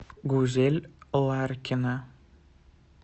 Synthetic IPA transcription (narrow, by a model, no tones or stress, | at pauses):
ɡuzelʲlˠaɾkʲʰɪnɪ